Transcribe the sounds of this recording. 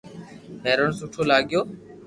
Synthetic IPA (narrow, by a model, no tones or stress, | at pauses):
ɦeːɾəɳsuʈʰoːlaːɠɪjoː